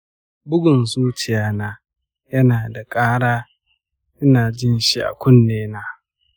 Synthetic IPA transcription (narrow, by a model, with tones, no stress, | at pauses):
bʊ˦ɡʷʊ˨nzuː˦t͡ʃɪ˨jaː˦naː˦ | jɐ˦naː˨da˨kʼaː˦ɽaː˦ | ɪ˦naː˨d͡ʒɪ˦nʃi˦ʔa̰˨kʷʊ˦nːeː˦naː˦